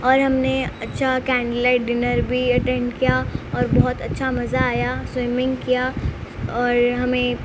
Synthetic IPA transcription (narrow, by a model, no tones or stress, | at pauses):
ɔːɾɦɐmneɐtːʃʰakɛ̃ːɳɖlaːɪʈ̚ɖɪnəɾbʱiɐʈɛ̃ːɳɖkijaɔːɾbɔɦʊt̪ɐtːʃʰamɐzaːjaswɪmɪ̃ŋɡkija | ɔːɾɦɐmẽ